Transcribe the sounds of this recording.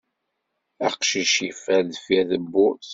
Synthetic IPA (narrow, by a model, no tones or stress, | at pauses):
æ̰qʃiʃifæðfiðəbːʊθ